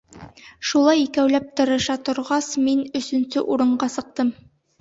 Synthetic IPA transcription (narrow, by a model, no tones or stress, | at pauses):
ʃulˠɑjikæwlæp̚t̪ɤ̆ɾɤ̆ʃɑt̪ŏɾʁɑsminɵ̆sɵ̆nsɵʔuɾɤ̆ɴɢɑsɤ̆q̚t̪ɤm